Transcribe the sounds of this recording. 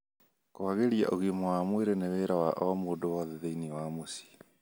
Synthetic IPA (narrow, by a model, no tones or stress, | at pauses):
koaɣeɾia̰ʔoɣimowamweɾeneweːɾawaʔɔmoːdowaðeðeiniwamosi̥